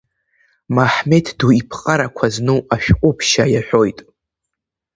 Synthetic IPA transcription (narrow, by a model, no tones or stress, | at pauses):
maħme̞tʰduipʰqʼaɾakʷʰaznɨwaʃᶣqʷʼʊpʰʃajaħʷᶣo̞jtʼ